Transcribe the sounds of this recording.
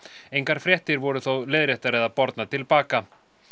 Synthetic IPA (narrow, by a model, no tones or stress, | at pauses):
ejŋkaɾ̥fɾjɛht̪ɪɾvɔɾʏθowlɛðɾɛht̪aɾɛðapɔɾt̪nat̪ʰɪlpaːka